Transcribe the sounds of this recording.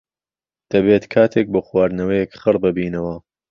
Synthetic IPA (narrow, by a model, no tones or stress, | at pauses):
d̪̥ɐbeːt̪kʰaːt̪ʰek̚boːxwaːɾnɐwɐjekχɨrbɨbiːnɐwɐ